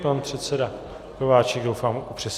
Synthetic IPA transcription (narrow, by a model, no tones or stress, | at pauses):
panpr̝̥ɛt̪sɛda | kovaːt͡ʃɛɡɡdowfaːmʔupr̥ɛs